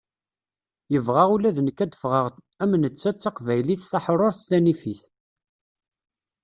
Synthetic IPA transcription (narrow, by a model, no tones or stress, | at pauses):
jəvʁaʁulæðnəkːæd̪əfʁəʁ | æmənət͡sːæt͡sːɑqvæjliθθɑħɾˤoɾθθænifiθ